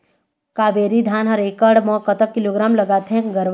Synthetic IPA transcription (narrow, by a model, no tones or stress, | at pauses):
kaːʋeːɾid̪ʱaːnɦəɾeːkəɖmɔ̃ːkət̪əkːɪloːɡɾaːmlɐɡaːt̪eɦɛ̃ɡəɾʋ